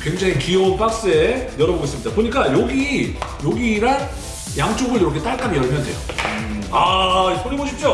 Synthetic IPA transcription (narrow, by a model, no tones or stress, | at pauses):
kwe̞ŋd͡ʑaŋikiʌnp͈ak̚s͈ejʌɾʌboɡes͈ɯmɲidapoɲik͈ajoɡijoɡiɾa | jaŋt͡ɕ͈ʰoɡɯɭdoɾokʰet͈aɭk͈amijʌɭmjʌndwejo | aip͈uɾiboɕʰip̚t͡ɕ͈o